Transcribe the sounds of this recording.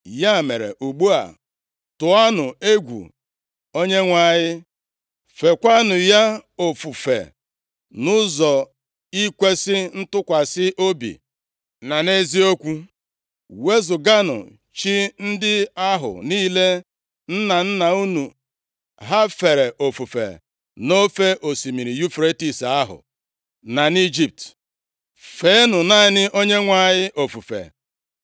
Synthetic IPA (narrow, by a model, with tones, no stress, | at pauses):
ja˦˨me˨ɾḛ˨ʔu˨ɡ͡bu˦a̰˨ | tʊ˨a˦nʊ˨e˦ɡʷṵ˨ | o˦ɲe˦ŋʷa˦˨ɲɪ˦ | fe˨kʷa˦nʊ˨ja˦o˨fu˨fḛ˨ | nʊ˦zɔ˨ | i˦kʷe˦sɪ˦n̩˦tʊ˦kʷa˨sɪ˦ʔo˦bḭ˨ | na˨ne˦zi˦o˦kʷu˦ | we˦zʊ˨ɡa˦nʊ̰˨ | t͡ʃi˦n̩˦dɪ˦a˦ɦʊ̰˨niː˦le˦ | n̩˦na˨n̩˦na˨u˦nu˨ | ɦa˦fe˨ɾe˨ʔo˨fu˨fḛ˨ | no˦fe˦ʔo˨si˨mi˨ɾi˨ju˦fɾe˦ti˦sa˦ɦʊ̰˨ | na˨ni˦d͡ʒi˦p̚t | fe˦e˦nʊ˨na˦nɪ˦ʔo˦ɲe˦ŋʷa˨ɲɪ˦ʔo˨fu˨fḛ˨